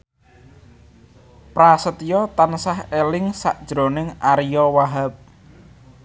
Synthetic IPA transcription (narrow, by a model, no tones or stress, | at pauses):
pɾasət̪ijɔt̪ansahelɪŋsaʔd̥ʒ̥ɾo̤nɪŋaɾijɔwaɦap̚